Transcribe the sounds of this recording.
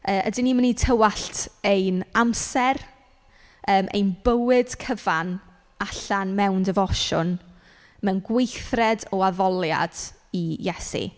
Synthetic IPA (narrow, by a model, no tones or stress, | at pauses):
əːʔədɪniːmənitʰəwaɬtʰejnamsɛr | əːmʔḛjnbəwɨd̥kʰəvan | aɬanmɛwndəvɔʃʊn | mɛnɡwejθrɛdɔaðɔlˠja̰d̥ijɛsḭ